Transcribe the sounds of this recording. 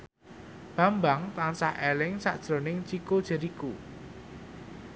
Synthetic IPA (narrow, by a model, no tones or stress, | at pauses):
b̥a̤mbaŋt̪ansahʔelɪŋsa̰ʔd̥ʒ̥ɾo̤nɪŋt͡ʃikod̥ʒ̥ə̤ɾiku